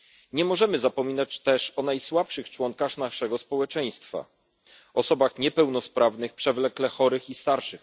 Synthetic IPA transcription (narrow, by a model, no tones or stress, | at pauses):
ɲɛmɔʐɛmɘzapɔmʲinat͡ɕt̪ɛʂɔn̪ajswapʂɘxt͡ʂwɔŋkaxnaʂɛɡɔspɔwɛt͡ʂɛj̃st̪fa̰ | ɔsɔbaxɲɛpɛwnɔspɾavnɘxpʂɛvlɛklɛxɔɾɘxist̪aɾʂɘx